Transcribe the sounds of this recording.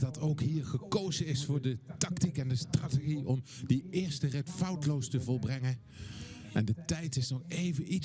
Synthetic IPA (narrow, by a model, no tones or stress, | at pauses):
dɑtowkɦiːɹχəkowzənɪsfʊːɹdətɑktikɛndəstrateχiʔɔmdiɪːɹstərɛtfɑwtəlowstəvɔlˠbrɛŋən | ɛndətɛjtɪsnɔχejvənit